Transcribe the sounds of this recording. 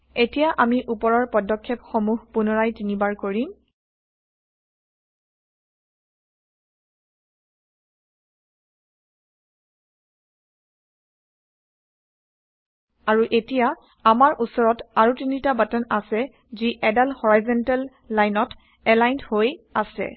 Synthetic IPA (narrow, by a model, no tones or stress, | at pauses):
etijaʔamiʔupɔɹɔɹpɔdɔkʰːɛpxɔmuɦpunɔɹajtinibaɹkoɹim | aɹuʔetija | amaɹʔusɔɹɔtaɹutinitabatɔnasɛ | ziʔɛdalhɔɹajzɔntalː | ajnɔt | ɛlajnthojasɛ̰